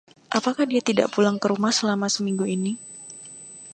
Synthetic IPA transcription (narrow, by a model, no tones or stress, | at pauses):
ʔapakahdiat̪ida̰ʔpulaŋkəɾumahsəlamasəmiŋɡuini